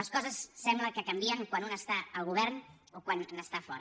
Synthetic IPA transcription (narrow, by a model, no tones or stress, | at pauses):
ləskɔzəsːɛmbləkəkəmbiəŋkwanunəst̪aəlˠɣuβ̞ɛɾn | okwannəst̪afɔɾə